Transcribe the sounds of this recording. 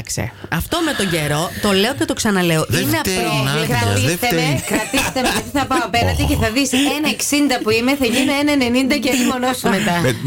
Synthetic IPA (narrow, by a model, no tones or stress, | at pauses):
ksḛɐft̪o̞me̞t̪oɲɟeɾo̞t̪o̞le̞o̞cet̪o̞ksɐnɐle̞oʔineɐokɾɐt̪ist̪eekɾɐt̪ist̪emeʝɐt̪iθɐpɐoɐpenɐnd̪iceθɐðisenɐeksind̪ɐpuimeθɐʝineenɐene̞nind̪ɐceimonosmet̪ɐ